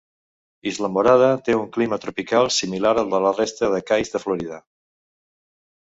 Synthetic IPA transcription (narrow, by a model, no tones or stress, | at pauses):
izləmoɾað̞ət̪euŋklimət̪ɾupikalˠsimilaɾəlˠd̪ələrest̪əðəkajzðəfluɾiðə